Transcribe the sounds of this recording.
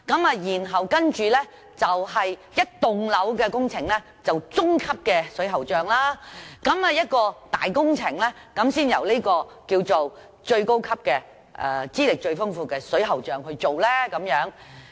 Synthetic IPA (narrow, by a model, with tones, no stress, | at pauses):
kɐ˨˥maː˧jiː˨˩nɦɐ˨˩wkɐ˥nt͡ʃyː˨˧lɛː˥ | t͡sɐ˨whɐ˨jjɐ˥t̚t̪ʊ˨ŋlɐ˨˥wkɛː˧kʊ˥ŋt͡sʰɪ˨˩ŋlɛ˥ | t͡sɐ˨wt͡sʊ˥ŋkʰɐ˥p̚kɛː˧sɵ˨˥ɥɦɐ˨wt͡ʃœː˨ŋlaː˥kɐ˨˥ma˨˧jɐ˥t̚kɔː˧t̪a̰ː˨jkʊ˥ŋt͡sʰɪ˨˩ŋlɛ˥kɐ˨˥msiː˥njɐ̰˨˩wliː˥kɔː˧kiː˧wt͡so˨w | t͡ʃɵ˧ɥko˥wkʰɐ˥p̚kɛː˧ | ʔɛ̰ː˧t͡siː˥lɪ˨k̚t͡ʃɵ˧ɥfʊ˥ŋfuː˧kɛː˧sɵ˨˥ɦɐ˨˩wt͡ʃœː˨ŋhɵ˧ɥt͡so˨wlɛː˥kɐ˨˥mjœː˨˥ŋ